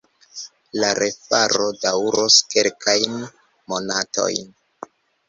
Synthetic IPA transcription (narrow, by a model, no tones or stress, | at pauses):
laɾe̞faɾo̞dawɾoske̞lkʰajn | mo̞nato̞̰jn